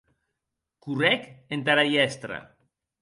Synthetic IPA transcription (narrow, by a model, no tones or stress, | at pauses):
kurɛkent̪aɾajɛst̪ɾa̰